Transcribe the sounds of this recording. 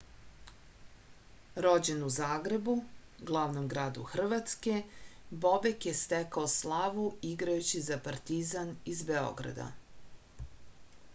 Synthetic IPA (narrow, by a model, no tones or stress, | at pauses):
ɾo̞d͡ʑenuzaːɡɾe̞bu | ɡlˠaʋnomɡɾaːd̪ṵxr̩ʋat̪ske̞bo̞bekjest̪ekaoslˠaʋuiɡɾajut͡ɕizapaɾt̪izanizbeo̞̰ɡɾa̰d̪a̰